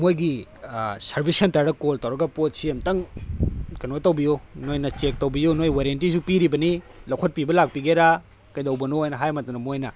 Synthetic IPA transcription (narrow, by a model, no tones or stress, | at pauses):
mojɡi | sɐɾbʱisɐntaɾɐkoltɐwɾɐɡɐpot̚siemtɐŋ | kɐnotɐwbijonojnɐt͡ʃek̚tɐwbijonojwaɾentisupiɾibɐni | lɐwkʰɐt̚pibɐlak̚piɡeɾa | kɐjdɐwbɐnoojnɐɦajmɐtɐnɐmojnɐ